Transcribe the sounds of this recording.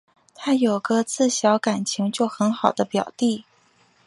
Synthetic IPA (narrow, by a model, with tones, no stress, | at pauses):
t̪ʰa˥jo˨˩ʊɡə˧˦t͡sɹ̩˥˩ɕjɑ˧˥ʊka˨˩nt͡ɕʰi˧˥ŋt͡ɕjo˥˩ʊxə˧˥nxɑ˨˩ʊd̪ə˦pjɑ˨˩ʊt̪i˥˩